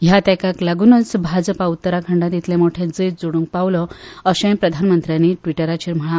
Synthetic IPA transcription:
ɦjat̪ɛ̃kaklaɡunət͡sbʱad͡zəpaut̪ːəɾakʰə̃ɳɖãt̪it̪ʰlẽmoʈʰed͡zəjt̪̚d͡zoɽũŋk̚paʋlɔəɕẽpɾəd̪ʱanmənt̪ɾjaniʈʋiʈəɾat͡ɕʰiɾm̤əɭ̃a

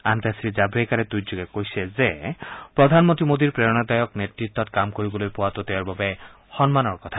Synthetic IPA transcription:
ant̪asɾizabʱɾekaɾed̪ujd͡ʒoɡekojsʰezepɾɔd̪ʱanmɔ̃nt̪imod̪iɾpɾeɔnad̪ajɔknet̪ɾit̪ːɔt̪kamkoɾibolojpowat̪ot̪ɛɔɾbabe | xɔnmanɔɹkɔt̪ʰa

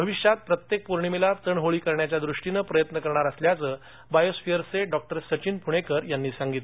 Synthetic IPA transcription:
bʱəʋiɕjat̪̚pɾət̪jek̚puɾɳimilaɾt͡səɳɦoɭiːkəɾɳjat͡ɕjad̪ɾuʂʈinəpɾəjət̪nəkəɾɳaɾəsljat͡səː | bajosfijəɾseɖɔk̚ʈəɾsət͡ɕiːnpuɽ̃ekəɾjanːiːsaŋɡit̪le

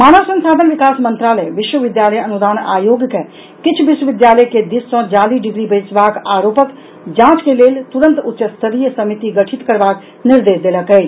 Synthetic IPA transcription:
maːnəʋsə̃nsaːd̪ʱənʋɪkaːsmə̃nt̪ɾaːləjʋɪʃwəʋɪd̪jaːləjɐnʊd̪aːna̰ːjoːɡjəkɛ̃ | kɪt͡ʃʰʋɪʃwəʋɪd̪jaːləjked̪ɪsːɔ̃d͡ʒaːliːɖɪɡɾibeːt͡ʃʋaːkaːɾoːpək | d͡ʒãːt͡ʃkeleːlt̪ʊɾə̃nt̪ʊtːʃəst̪ʰəɾijəsɐmɪt̪iɡɐʈʰɪt̪kəɾʋaːk | nɪɾd̪eːʃd̪eːləkeː

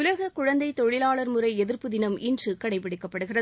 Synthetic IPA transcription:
ʊlɐɣɐkʊɻɐnd̪ɐɪt̪ːɔɻɪlaːɭɐɾmɯrɐɪɛðɪɾpɯðɪnɐmɪndrɯkɐɽɐɪpːɪɽɪkːɐpːɐɽɯɣɪrɐ

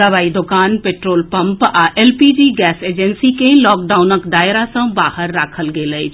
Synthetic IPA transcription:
əʋaːid̪ʊkaːnpeːʈɾoːlpɐ̃mpaʔɛlpiːd͡ʒiːɡɛːseːd͡ʒənsikelɔːk̚ɖaːʊnəkɖaːɪɾasə̃baːhəɾːaːkʰəlɡeːləi

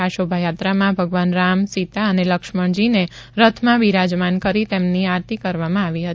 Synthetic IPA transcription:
aʃobʱajat̪ɾamãbʱəɡʋanɾamsit̪aəneləkʃməɳd͡ʒineɾət̪ʰmãʋiɾad͡ʒmankəɾit̪emniaɾt̪ikəɾʋamãaʋiɦət̪i

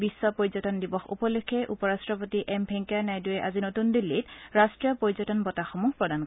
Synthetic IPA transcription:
bisːɔpoɹzɔtɔndibɔxṵpɔlekʰːɛʔupɔɹastɹɔpotiʔɛmbʰʱɛŋkanajdujɛʔazinotundilːitɹastɹijɔpɹoɹzɔtɔnbɔtaxɔmuxpɹɔdank

